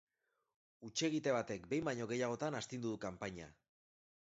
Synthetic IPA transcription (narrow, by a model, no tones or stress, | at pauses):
ut͡ʃe̞ɣit̪e̞β̞at̪e̞kbe̞jmbaɲo̞ɣe̞jaɣ̞o̞t̪anast̪ind̪uðukampaɲa̰